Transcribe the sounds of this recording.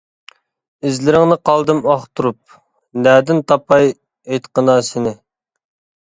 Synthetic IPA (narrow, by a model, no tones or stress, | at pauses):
ɪzlɪɾɪŋnɨqʰɑlˠd̪ɨmɑχt̪uɾup̚ | næːd̪ɪnt̪ʰɑpʰɑj | ejt̪qənɑːsɪnɪ